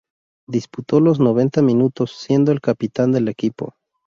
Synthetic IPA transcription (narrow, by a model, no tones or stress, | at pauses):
d̪isput̪o̞lo̞zno̞β̞e̞nt̪amĩnut̪o̞sːje̞nd̪oelkapit̪and̪e̞le̞kipo̞̰